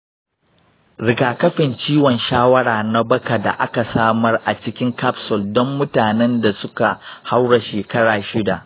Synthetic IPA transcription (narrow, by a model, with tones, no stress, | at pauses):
ɽɪ˨kaː˨kɐ˦ɸɪ˨nt͡ʃiː˦wɔ˨nʃaː˦wɐ˦ɽaː˨na˦bɐ˦ka˨da̰˨ʔa˦ka˨saː˦mɐ˦rʔa˨t͡ʃɪ˦kʲɪ˦ŋka˦psɔ˨ldɔ˦mːʊ˦taː˨nɛ˦nda˨sʊ˦ka˨ha˦wɽa˨ʃeː˨kɐ˦ɽaː˨ʃɪ˦da˨ʔ